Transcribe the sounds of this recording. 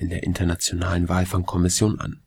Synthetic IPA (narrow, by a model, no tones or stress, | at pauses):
ʔɪndeːɐʔɪ̰ntʰɐnat͡sjonaːlənvaːlfaŋkʰɔmɪsjoːnʔa̰n